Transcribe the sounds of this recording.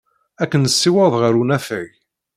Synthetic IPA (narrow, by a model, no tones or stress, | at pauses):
ækːənəsːiwɑðˤʁəɾunæfəi